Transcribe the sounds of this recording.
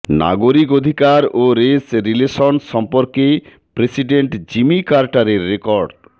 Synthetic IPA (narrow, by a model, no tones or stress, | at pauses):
na̰ɡoɾikod̪ʱikaɾoɾesɾileʃɔnʃɔmpoɾke | pɾesiɖeɳʈd͡ʑimikaɾʈaɾeɾːekɔɾɖ